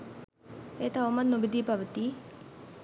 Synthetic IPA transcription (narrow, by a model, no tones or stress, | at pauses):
eːt̪aomɐnnubid̪iːpɐʋət̪iː